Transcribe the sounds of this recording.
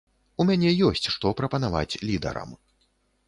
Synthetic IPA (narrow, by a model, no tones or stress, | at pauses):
umʲanʲɛjɔsʲt͡sʲʂt̪ɔpɾɐpɐnava̰t͡sʲlʲid̪ɐ̰ɾɐ̰m